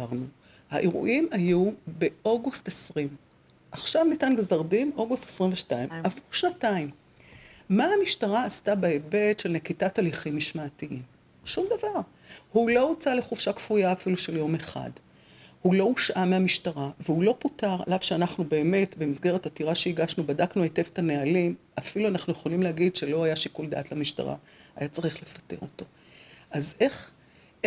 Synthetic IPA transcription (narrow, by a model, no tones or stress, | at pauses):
aʁnu | ha̰ʔeʁṵʔimajube̞ʔo̞ɡustesʁim | ʔaχʃavnitanɡezaʁdimo̞ɡustesʁimveʃtaimavuʁʃnataim | maamiʃtaʁaːstabaebe̞tʃelnekitataliχimːiʃmaːtiʔim | ʃumd̪avaʁ | hulo̞ut͡sale̞χuvʃakfujaːfiluʃe̞ljo̞meχa̰d | hulo̞uʃʔameamiʃtaʁavehulo̞putaʁa̰lav̥ʃeanaχnube̞ːme̞tbemizɡe̞ʁetatiʁaʃeiɡaʃnubadaknuete̞ve̥tanealimafiluanaχnujeχo̞limleaɡidʃe̞lo̞ajaʃikuld̪a̰ːtlamiʃta̰ʁa̰ | ajat͡saʁiχle̞fḁte̞̰ʁo̞to̞ | ʔazeχ